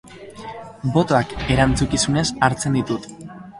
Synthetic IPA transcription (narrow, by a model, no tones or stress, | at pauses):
bo̞t̪o̞ake̞ɾant͡sukisune̞saɾt͡se̞nd̪it̪ut̪